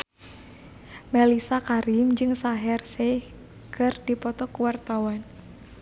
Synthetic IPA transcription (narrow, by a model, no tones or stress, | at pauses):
melisakaɾimd͡ʒɨŋsaɦɛrse | kɨrd̥ipɔt̪ɔkuwart̪awan